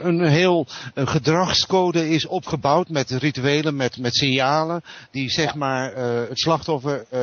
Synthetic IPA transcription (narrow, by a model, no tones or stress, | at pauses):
ənɦɪːlˠχədrɑχskowdəɪsɔpχəbawtmɛtrityejləmɛtmɛtsɪnjaːləd̥izɛχmaːɹətslɑχtɔfəɹ